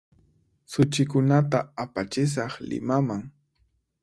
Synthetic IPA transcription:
sʊt͡ʃɪkʊnat̪aapat͡ʃɪs̬ɑχlɪ̰mamaŋ

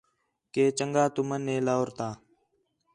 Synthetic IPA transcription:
keːt͡ʃəŋɡaːt̪ʊmənːeːlaːʊɾt̪aː

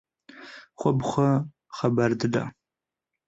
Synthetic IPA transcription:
χʷɔbχʷɐ | χɐbɐrdɨda̰

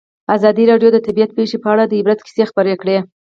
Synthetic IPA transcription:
azɑd̪iɾɑɖjod̪ət̪abijat̪̚peʃepəaɽad̪əɪbɾat̪ki̥sexpəɾekɽe

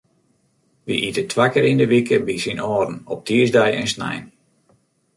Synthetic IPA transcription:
ʋiʔitətʰʋakəɾindəʋikəbisinɔːrn̩ɔp̚tʰiəzdɛjɛ̰nsnɛ̰jn

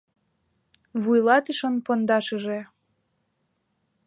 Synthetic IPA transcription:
βujlɑt̪iʃənpond̪ɑʃəʒe

